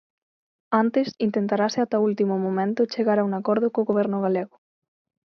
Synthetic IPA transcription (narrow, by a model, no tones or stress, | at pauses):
ant̪esint̪ent̪aɾaseat̪ault̪imʊmomẽnt̪ʊt͡ʃeɣaɾauŋakɔɾðʊkoɣoβ̞ɛɾnʊɣ̞aleɣʊ